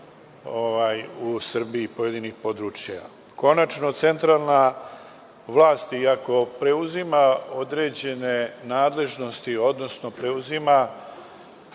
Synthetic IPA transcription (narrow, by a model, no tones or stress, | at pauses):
oʋajusr̩biipo̞jed̪inixpo̞d̪ɾut͡ʃjja̰ | ko̞nat͡ʃno̞t̪se̞nt̪ɾalˠna | ʋlˠaːst̪iako̞pɾe̞uzimao̞d̪ɾe̞ːd͡ʑe̞ne̞naːd̪le̞ʒno̞st̪io̞d̪no̞sno̞pɾe̞uzima